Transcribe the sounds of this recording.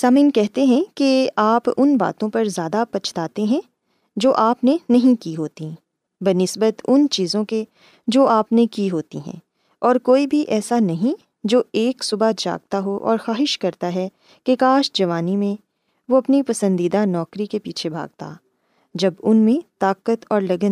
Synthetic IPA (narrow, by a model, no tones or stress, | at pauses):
saːmĩːnkɛɦt̪eɦɛ̃keaːpʊnba̰ːt̪õpɐɾzjaːd̪apɐt͡ʃʰt̪aːt̪eɦɛ̃ | d͡ʒoːʔaːpnenɐɦĩkiɦoːt̪i | bɐnɪsbət̪ʊnt͡ʃiːzõke | d͡ʒoːʔaːpnekiɦoːt̪ḭɦɛ̰̃ː | ɔːɾkoːibʱiʔɛːsanɐɦĩ | d͡ʒoːeːksʊbad͡ʒa̰ːɡ̚t̪aɦoʔɔ̰ːɾxaːɦɪʃkɐɾt̪aɦɛ | kekaːʃd͡ʒɐʋaːnimẽ | ʋoɐpnipɐsə̃nd̪iːd̪anɔːkɾikepiːt͡ʃʰebʱa̰ːɡ̚t̪a̰ | d͡ʒɐbʊnmẽt̪aːkət̪ɔːɾlɐɡə